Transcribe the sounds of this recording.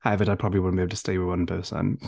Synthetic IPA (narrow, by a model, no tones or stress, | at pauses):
avədaɪpʰɹ̥ɒbəbliwʊdⁿn̩bɪbl̩ˠtʰə̥steɪwɪwʌ̃nbəθtã̰ɪ̃m